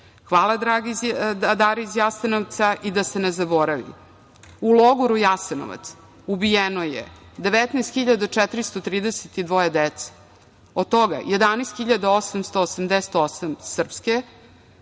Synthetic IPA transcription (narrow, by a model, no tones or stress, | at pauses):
xʋaːlˠad̪ɾaɡiad̪aɾizjasenoʋt̪saʔid̪asenezaboɾaʋḭ | ulˠoɡuɾujaseno̰ʋa̰t̪s | ubijenojḛ | d̪e̞ʋet̪najst̪xiʎad̪at͡ʂɛt̪ɾist̪ot̪ɾiːd̪eset̪id̪ʋo̞jed̪et̪se̥ | od̪̚t̪oɡa̰jed̪anest̪xiʎad̪aosamst̪oːsamd̪ese̥t̪osamsr̩pske